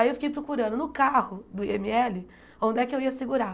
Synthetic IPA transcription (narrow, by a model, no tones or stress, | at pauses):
iewfi̥kejpɾokuɾɐ̃nd̪ʊnʊkahʊd̪ʊiemiɛlɪ | õnd̪ɪɛkɪewiɐsɪɡuɾa